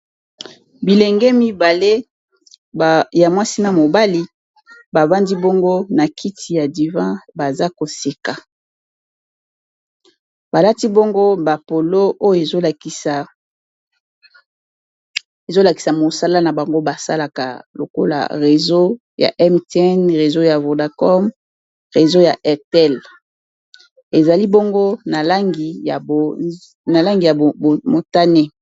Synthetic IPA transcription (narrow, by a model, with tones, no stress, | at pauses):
bi˨lɛ˨ŋɡɛ˦mi˦ba˨le˦˨ | ja˨mwa˦si˦na˨mo˨ba˦li˦ | ba˨ba˦ndi˦bo˦ŋɡo˦na˨kʰi˦ti˨ja˨di˨vã˦ba˨za˦ko˨se˨ka˨ | b̥a˨la˦ti˦bo˦ŋɡo˦ba˨po˨lo˦ʔo˦jo˦e˨zo˦lk | e˨zo˦la˨ki̥˨sa˨mo˨sa˦la˦na˨ba˨ŋɡo˦ba˨sa˦la˨ka̰˨lo̰˨ko˦la̰˨ʁe˨zo˦ | ja̰˨ʔɛ˦mte˦ɛ˦nʁe˨zo˦ja˨vo˨da˨kɔ˦m | ʁe˨zo˦ja˨ʔɛ˦ʁtɛ˦˨l | e˨za˨li˦bo˦ŋɡo˦na˨la˦ŋɡi˨a˨ | na˨la˦ŋɡi˨ja˨mo˨ta˦ne˦